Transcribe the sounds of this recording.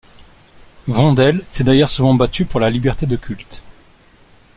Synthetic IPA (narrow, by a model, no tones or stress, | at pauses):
vɑ̃d̪ɛlsɛd̪ajœʁsuvɑ̃bat̪ypuʁlalibɛʁt̪ed̪əkʲylt̪